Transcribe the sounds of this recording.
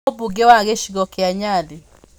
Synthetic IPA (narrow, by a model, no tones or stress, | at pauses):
buɡewaɣeʃiɣɔkeaɲadi